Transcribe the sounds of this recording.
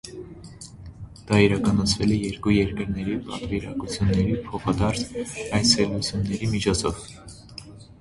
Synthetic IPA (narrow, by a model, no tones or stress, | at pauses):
d̪̥ɑiɾɑkɑnɑt͡sʰvɛlɛjɛɾkujɛɾkəɾnɛɾipɑ̰t̪viɾɑ̰kut͡sʰjunːɛɾipʰɔχɑd̪ɑɾsɑjt͡sʰɛlut͡sʰjunːɛɾimit͡ʃʰɔt͡sʰɔv